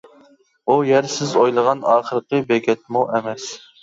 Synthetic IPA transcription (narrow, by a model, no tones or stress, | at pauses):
ujæɾsɪzojlˠəʁɑnɑːχəɾqəbeɡʲɛt̪̚muʔemɛs